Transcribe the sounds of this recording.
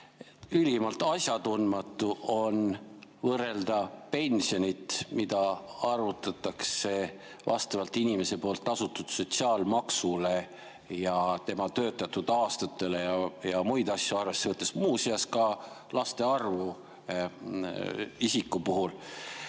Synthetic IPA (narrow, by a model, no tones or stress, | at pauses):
ylimɑlt̪ːˑɑsʲjɑt̪unmɑt̪ːˑuʔo̞nvɤre̞ld̪̥ɑpe̞nʲsio̞nʲit̪mid̪̥ɑɑrut̪ːˑɑt̪ːˑɑkse̞ | vɑ̰st̪ɑvɑlt̪ːˑinʲime̞se̞po̞ːlt̪ːˑɑsut̪ːˑud̪̥so̞t̪ʲsiɑːlmɑksule̞ | jɑt̪e̞mɑt̪ø̞ːt̪ːˑɑt̪ːud̪̥ɑːst̪ɑt̪ːˑe̞le̞jɑjɑmujd̪̥ɑsʲjuɑrve̞sːe̞vɤt̪ːˑesmuːseɑskɑ | lɑst̪e̞ɑrvu | isikːˑupuɦul